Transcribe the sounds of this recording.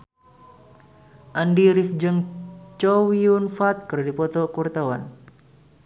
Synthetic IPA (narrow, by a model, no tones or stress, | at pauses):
ʔandiɾifd͡ʒəŋt͡ʃɔwiunfat̪̚kɨrdipɔt̪ɔkurt̪awa̰n